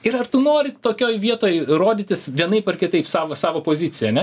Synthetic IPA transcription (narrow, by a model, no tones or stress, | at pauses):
ɪɾɐrt̪ʊnoːɾʲɪt̪oːkʲoːjʋʲiɛt̪oːjroːd̪ʲɪːt̪ʲɪsʋʲiɛnɐɪpɐrkʲɪt̪ɐɪpsɑːʋosɑːʋoːpoːzʲɪt͡sʲɪjɛɐnʲɛ